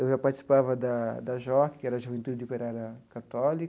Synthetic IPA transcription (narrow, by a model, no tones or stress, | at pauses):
ewʒapaɾt̪isi̥pavɐd̪ad̪ɐʒɔkkɛɾɐʒuvẽnt̪ud̪d̪upeɾaɾɐkat̪ɔlik